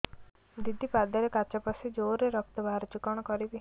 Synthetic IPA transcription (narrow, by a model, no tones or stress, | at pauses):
d̪id̪ʱipad̪ɔɾekat͡ʃapasid͡ʒoɾeɾɔk̚t̪ɔbʱaɾɔt͡ʃukɔɽ̃ɔkɔɾibi